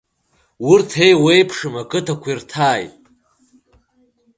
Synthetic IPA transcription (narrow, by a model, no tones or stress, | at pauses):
wʊrtʰe̞jwe̞jpʰʂɨmakʼɨtʰakʷirtʰaːjtʼ